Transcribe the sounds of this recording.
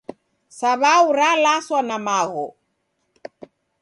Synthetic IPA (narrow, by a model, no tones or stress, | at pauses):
saβauɾalaswanamaɣɔ